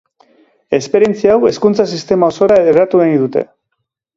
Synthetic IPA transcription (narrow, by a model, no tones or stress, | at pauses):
e̞spe̞ɾje̞nt͡siawe̞skunt͡sasist̪e̞mao̞so̞ɾaerat̪uɣeniðut̪e̞̰